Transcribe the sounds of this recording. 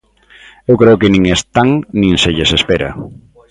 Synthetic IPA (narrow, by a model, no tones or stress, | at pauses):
ewkɾeʊkɪnĩŋest̪aŋnĩŋseʎesespeɾa̰